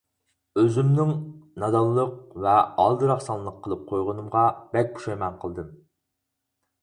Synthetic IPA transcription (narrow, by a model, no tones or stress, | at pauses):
øzymnɪŋnɑd̪ɑlˠːəq̚vɛɑ̰lˠd̪ɨɾɑχsɑnlˠəqʰːəlˠɨp̚qʰojʁʊnɨmʁɑb̥ɛk̚ʲbu̥ʃɛjmɛnqʰəlˠd̪ɨm